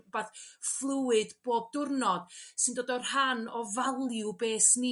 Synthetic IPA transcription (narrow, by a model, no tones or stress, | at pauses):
baθflˠʊwɨdb̥oːb̚dʊrnɔd̥sɨndoːdɔrhanɔvalˠjubeːsni